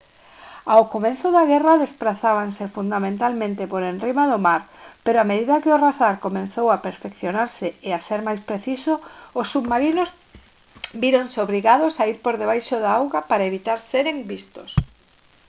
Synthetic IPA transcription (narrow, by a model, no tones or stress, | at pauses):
awkomẽnθʊðaɣɛraðespɾaθaβ̞ansefund̪amẽnt̪almẽnt̪ɪpoɾenrrimaðʊmaɾpeɾoameðiðɐkɪʊraθaɾkomẽn̟θowapeɾfekθjonaɾsɪeaseɾmajspɾeθisoːsːuβmaɾinos | biɾonseoβɾiɣaðʊsaiɾpoɾðeβ̞ajʃoðaawɣapaɾaeβit̪aɾseɾeŋbist̪os